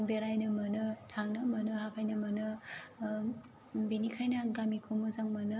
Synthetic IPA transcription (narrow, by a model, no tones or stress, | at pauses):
ŋbeɾajnɯmʌnɯtʰaŋnɯmɐnɯhapʰajnɐmɐnɯ | benikʰajnaɡamikʰomozaŋmɐnɯ